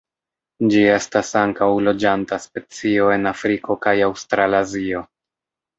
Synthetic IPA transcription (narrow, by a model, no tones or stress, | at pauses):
d͡ʒie̞stasaŋkawlo̞d͡ʒantaspe̞t͡sio̞e̞nafɾiko̞kajawstɾalazio̞